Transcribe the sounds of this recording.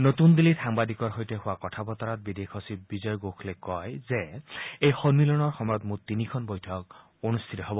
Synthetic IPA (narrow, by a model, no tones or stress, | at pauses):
notund̪ilitʰaŋbadikɔɹɦojteɦʊwakɔtʰabɔt̪ɔɹɔt̚bidekʰosibizɔjɡokʰlekɔjzeejxɔnmilɔnɔɹxɔmɔjɔtmutinikʰɔnbojtʰɔk̚ | onust̪ʰitɔɦɔbɔ